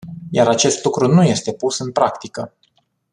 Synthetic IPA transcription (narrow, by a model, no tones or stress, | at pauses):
jaɾat͡ʃe̞st̪lukɾunuje̞st̪e̞pusɨnpɾakt̪ikə